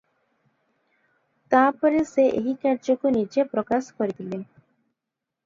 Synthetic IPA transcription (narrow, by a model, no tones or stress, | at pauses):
t̪apɔɾeseʔeɦikaɾd͡ʒɔkunid͡ʒepɾɔkasɔ̥kɔɾit̪ʰile